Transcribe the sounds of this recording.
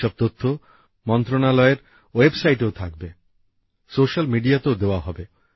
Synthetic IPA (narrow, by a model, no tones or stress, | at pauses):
ɔb̚t̪ot̪ʰːo | mɔnt̪ɾonalɔeɾ | websajʈeot̪ʰak̚be | soʃalmiɖiat̪eod̪eoaɦɔbe